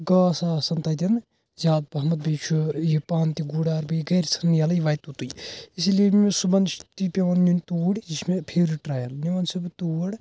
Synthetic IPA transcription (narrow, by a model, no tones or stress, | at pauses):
ɡaːsaːsɐnt̪ɐd̪ʲɐn | zaːd̪̚bɐɦmɐt̪̚bit͡ʃʰujipaːnt̪iɡuːɽaːɾbijiɡɐːɾsʰɐnːjɐljiʋɐːjt̪ut̪ujis̬iliememesubɐnt̪ipʲɐʋɐnnunt̪uːɽʲd͡ʒismepʰeːɾiʈɾaːjɐlniʋɐnsɐbt̪uːɽ